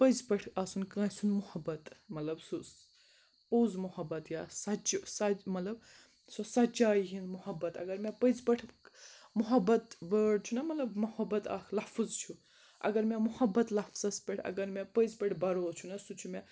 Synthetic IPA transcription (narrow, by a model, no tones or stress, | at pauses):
pəzpɐʈʰaːsunkãːsunmuhɐbːɐt̪mɐt̪lɐbsus | poːzmuhɐbːɐt̪jasɐt͡ʃsɐmɐt̪lɐb | sosɐt͡ʃaːjiɦinmuhɐbːɐt̪ɐ̰ɡɐɾmẽpəzpɐʈʰmuɦɐbɐt̪bəːɖt͡ʃʰunɐmɐt̪lɐbmɐhɐbːɐt̪a̰kʰlɐhfɨzt͡ʃʰu | ʔɐ̰ɡɐɾmemuhɐbːɐt̪lɐfsɐspʲeʈʰɐ̰ɡɐɾmẽpəjzpɐʈʰbɐɾoːt͡ʃʰunɐsut͡ʃʰume